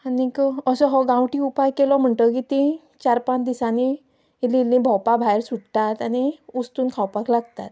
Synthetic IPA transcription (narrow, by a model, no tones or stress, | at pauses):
anikəsɔɦɔɡãwʈiupajkelɔm̤əɳʈəkit̪ĩ | t͡ɕaɾpãt͡ɕd̪isani | ililːĩbʱɔwpabʱajɾsuɽt̪at̪añiust̪uːnkʰawpaklaɡt̪at̪